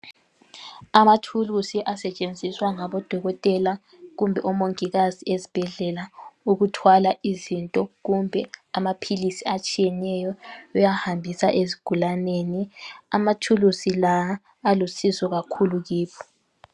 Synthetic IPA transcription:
amatʰulusiʔasɛt͡ʃʼend͡zʱiswaŋaβɔd̥ʱɔɣɔtʼɛla | ɣumbʱɛʔɔmoŋiɣaziezib̥ʱɛɮɛlauɣutʰwalaizintʼɔɣumbʱɛamapʰilisiat͡ʃʼijɛnɛjɔujahambʱisaʔeziɡ̥ʱulaneniamatʰulusilaː | lusisɔɣakʰuluɣiːpʰɔ̥

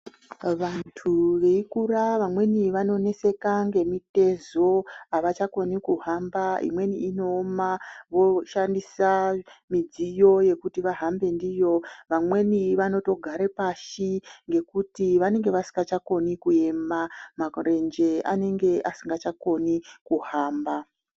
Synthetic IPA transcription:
ʋantʰuʋeikuraʋamwe̞niʋano̞ne̞se̞kaŋɡe̞mite̞zo̞aʋat͡ʃakonikuɦambaḭmwe̞niːno̞ːmaʋo̞ʃandisamid͡zijo̞je̞kutiʋaɦambe̞ndijo̞ʋamwe̞niʋano̞to̞ɡʱaɾepaʃiŋɡe̞kutiʋane̞ŋɡe̞ʋasi̥ŋɡat͡ʃako̞nikue̞mamare̞nd͡ʒe̞ane̞ŋɡe̞ʔasiŋɡat͡ʃako̞nikuɦaːmba

